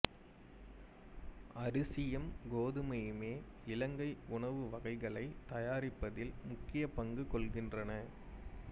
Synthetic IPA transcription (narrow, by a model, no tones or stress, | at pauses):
ɐɾɯsɪjɐmɡoːðɯmɐjɯmeː | ɪlɐŋɡɐɪʊɳɐʋɯʋɐɣɐɪɣɐɭɐɪt̪ɐjaːɾɪpːɐðɪlmʊkːɪjɐpɐŋɡɯkɔɭɣɪndrɐnɐ